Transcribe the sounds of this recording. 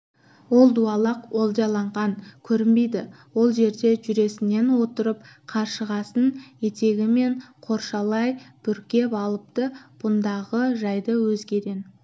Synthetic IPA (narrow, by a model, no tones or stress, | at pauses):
wo̞lˠd̪uɑlˠɑqwolˠd̪ɑlˠɑɴʁɑŋkʲʰɵɾɪmbe̞jd̪ɪ | wo̞lˠʒe̞ɾd̪e̞ʒʏɾe̞sɪne̞nwo̞t̪əɾəp̚qʰɑɾʃəʁɑsənje̞t̪e̞ɡʲɪme̞ɴqʰo̞ɾʃɑlˠɑjb̥ʏɾkʲe̞pɑlˠəp̚t̪əb̥ʊnd̪ɑʁəʒɑjd̪əwɵzɡʲe̞d̪e̞n